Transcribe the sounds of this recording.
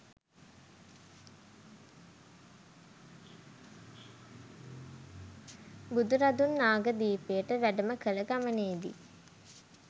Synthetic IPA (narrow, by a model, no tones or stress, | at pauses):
bud̪uɾad̪unːaːɡəd̪iːpejəʈəʋæɖəməkələɡaməneːd̪ḭ